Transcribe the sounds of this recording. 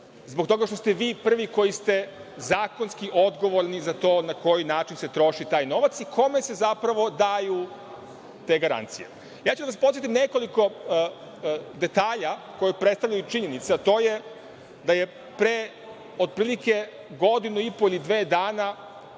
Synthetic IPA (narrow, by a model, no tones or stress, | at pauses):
zbo̞kt̪o̞ɡaʃt̪o̞st̪eʋiːpr̩ʋiko̞jist̪e̞ | zaːko̞nskiʔo̞d̪ɡo̞ʋo̞ɾnizat̪o̞ːnako̞jinaːt͡ʃinse̞t̪ɾo̞ʃit̪aːjno̞ʋat̪sikʰo̞me̞se̞zapɾaʋo̞d̪aju | t̪e̞ːɡaɾa̰nt̪sijḛ | jaːt͡ɕud̪aʋaspo̞t̪jet̪imne̞ko̞liko̞ | d̪e̞t̪aːʎa | ko̞jepɾet̪st̪aʋlʎajut͡ʃiɲe̞nit̪seat̪o̞ːje | d̪aje̞ | pɾe | o̞d̪̚pɾiːlˠike̞ | ɡo̞d̪inuipoilid̪ʋeːd̪aːna